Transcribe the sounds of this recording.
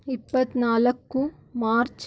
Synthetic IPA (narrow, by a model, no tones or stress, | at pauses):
ipːɐt̪naːlɐkːu | maːɾt͡ʃ